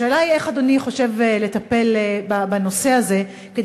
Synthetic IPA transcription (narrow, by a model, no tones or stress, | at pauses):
eːlaie̞χad̪oniχo̞ʃe̞vele̞t̪ɐpe̞lebabano̞se̞aze̞ | ked